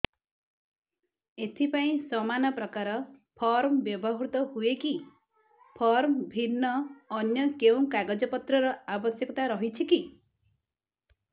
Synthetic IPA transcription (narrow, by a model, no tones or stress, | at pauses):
et̪ʰipaĩsɔmanɔpɾɔkaɾɔpʰɔɾmbjɔbɔɦɾut̪ɔɦueki | pʰɔɾmbʱinːɔːnjɔkeũkaɡɔd͡ʒɔpɔt̪ɾɔɾɔabɔsjɔkɔt̪aɾɔɦit͡ʃʰiki